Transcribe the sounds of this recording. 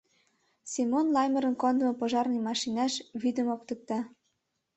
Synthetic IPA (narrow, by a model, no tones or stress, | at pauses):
simonlɑjmə̆ɾə̆nkond̪ə̆mɤ̆pŏʒɑrnimɑʃinæʃβid̪ə̆mok̚t̪ə̆k̚t̪ɑ